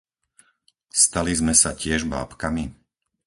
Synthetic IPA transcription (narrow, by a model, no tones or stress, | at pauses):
st̪alizmɛsacɪɛʒba̰ːpkami